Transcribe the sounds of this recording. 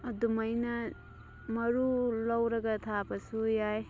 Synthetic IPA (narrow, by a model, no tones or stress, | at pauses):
ɐd̪umɐjnɐ | mɐɾulɐwɾɐɡɐt̪ʰabɐsujaj